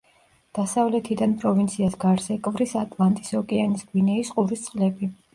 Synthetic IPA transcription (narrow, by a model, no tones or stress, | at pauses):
d̪̥asavlɛt̪ʰid̪anpʼɾɔvint̪sʰiasɡaɾzɛkʼvɾisat̪ʼlˠant̪ʼisɔkʼɛanisɡvinɛisqʼuɾist̪sʼqʼlɛbi